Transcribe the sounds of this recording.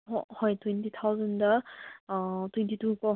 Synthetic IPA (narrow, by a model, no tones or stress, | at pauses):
ɔhɔjtwɛntʰit̪ʰawzəndə | tʰwɛntʰitukɔ